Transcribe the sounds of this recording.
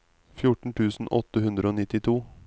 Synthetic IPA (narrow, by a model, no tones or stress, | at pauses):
fjʊʈɳ̩ʈ̪ʰʉːsn̩ʔɔt̪əhʉnd̪ɾəoːnɪt̪ɪt̪ʰuː